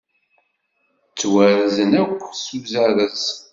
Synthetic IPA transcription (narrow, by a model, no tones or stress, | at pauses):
t͡sːwæɾzənækʷːsuzæɾəz